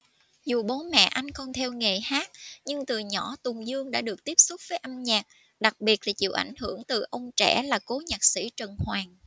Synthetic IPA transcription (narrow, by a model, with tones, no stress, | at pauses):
zu˨˩ɓo˨˦mɛ̰˧˨ʔa˧jŋ̟kɔ˧˩nt̪ʰɛ˧wŋe˨˩haː˦˥t̚ɲɨ˧ŋt̪ɨ˨˩ɲɔ̰˧˥t̪ʊ˨˩ŋ͡mzɨ˧əŋɗa̰ː˧˥ɗɨ˨˩ək̚t̪i˦˥əp̚sʊ˦˥k͡p̚vəː˨˦jʔa˧mɲaː˨˩t̚ | ɗa˨˩k̚ɓi˨˩ət̚laː˨˩t͡ɕḭ˧˨əwʔa̰˧˩jŋ̟hɨ˧˩əŋt̪ɨ˨˩ʔə˧wŋ͡mt͡ɕɛ̰˧˥laː˨˩ko˨˦ɲaː˨˩k̚sḭ˧˥t͡ɕə˨˩nhwaː˨˩ŋ